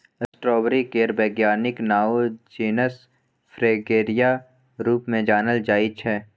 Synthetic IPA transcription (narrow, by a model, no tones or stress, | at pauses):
ɐsʈɾɔːbɾikeːɾbɛːɡjaːnɪknaːod͡ʒeːnəs | fʰɾeːɡeːɾija | ɾuːpmẽd͡ʒaːnəld͡ʒaːit͡ʃʰɛː